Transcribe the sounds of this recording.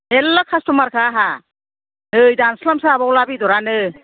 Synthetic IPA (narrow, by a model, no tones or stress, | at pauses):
elːakʰastɔmaɾkʰaɦa | nɯjdanslamsabɔwlabidɔɾanɯ